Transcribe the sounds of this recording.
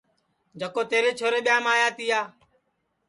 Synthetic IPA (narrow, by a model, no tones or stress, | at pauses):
d͡ʒəkoːt̪eːɾeːt͡ʃʰoːɾeːɓɪjãːmaːjaːt̪iːjaː